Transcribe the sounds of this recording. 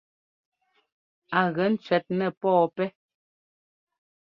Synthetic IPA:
a˨ɣɛ˨˦n̩˦t͡sɥɛ˨t̚nɛ˨pɔː˦˨pɛ˦

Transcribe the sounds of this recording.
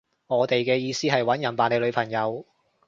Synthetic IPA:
ŋɔː˨˧t̪e˨jkɛː˧jiː˧siː˥ɦɐ˨jwɐ˨˥njɐ˨˩npaː˨˩nle˨˧jlɵ˨˧ɥpʰɐ˨˩ŋjɐ˨˧w

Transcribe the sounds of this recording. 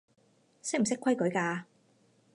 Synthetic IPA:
sɪ˥k̚m̩˨s̬ɪ˥kʰʷwɐ˥jkɵ˨˥ɥkaː˧

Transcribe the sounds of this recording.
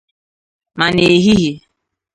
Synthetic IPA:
ma˨ne˨ɦi˦ɦi˨

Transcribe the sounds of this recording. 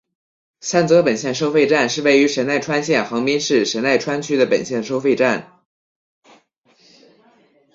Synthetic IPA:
sa˥˩nt͡sɤ˧˥pə˨˩nɕjɛ˥˩nʂ̬o˥ʊfe˥˧ɪʈ͡ʂa˥˧nʂɻ̩˥˧we˥˩ɪy˧˥ʂə˧˥na˥˩ɪʈ͡ʂʰwa˥nɕjɛ˥˩nxɑ˧˥ŋpi˥nʂɻ̩˥˩ʂə˧˥nna˥˩ɪʈ͡ʂʰwa˥nt͡ɕʰy˥d̪ə˨pə̰˨˩nɕjɛ˥˩nʂo˥ʊfe˥˧ɪʈ͡ʂa˥˩n

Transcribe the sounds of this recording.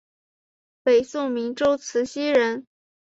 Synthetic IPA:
pe˨˩ɪsʊ˥˩ŋmi˧˥ŋʈ͡ʂo˥ʊt͡sʰɹ̩˧˥ɕi˥ɻə˧˥n

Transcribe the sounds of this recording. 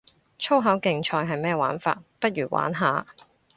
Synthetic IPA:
t͡ʃʰo˥wɦɐ˨˥wkɪ˨ŋt͡ʃʰɔː˧jɦɐ˨jmɛː˥˩wa̰ː˨˥nfa̰ː˧t̚pɐ˥t̚ɥyː˨˩wʔa̰ː˨˥nɦaː˨˧

